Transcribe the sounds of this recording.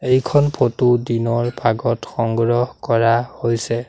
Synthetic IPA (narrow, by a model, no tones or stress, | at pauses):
ejkʰɔnpʰotudinɔɹbʱaɡɔtxɔŋɡɹɔhkɔɹahojsɛ